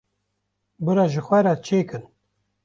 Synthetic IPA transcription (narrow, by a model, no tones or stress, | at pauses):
bɨɾɑʒɨxʷɛɾat͡ʃʰeːkɨn